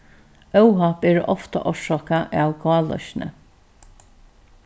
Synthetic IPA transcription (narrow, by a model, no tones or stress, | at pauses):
œwɦapeːɹʔɔft̪a̰ʔɔʂɔːkaʔawɡɑːlɔ̰ʃnə̰